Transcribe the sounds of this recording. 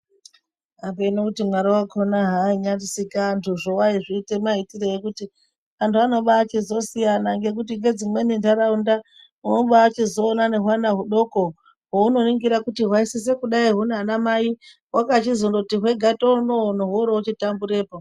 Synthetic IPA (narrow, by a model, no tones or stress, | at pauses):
ap̬einokutimwaɾiwakʰonaɦaiɲarisikaːntʰuʐowaiʐiːte̞maitirejekuti | antʰuano̞ɓaːt͡ʃizo̞sijanaŋɡe̞k̬ut̬iŋɡe̞d͡zimwe̞nindaɾaunda | unoɓaːt͡ʃizo̞ːnane̞ɦwanaɦuɗo̞ko | ɦouno̞niŋɡiɾakutiɦwaisis̬e̞kuɗaiɦuneanamai | wakat͡ʃizondoutiɦwe̞ɡʱatounonoɦoɾout͡ʃitambuɾe̞ːpo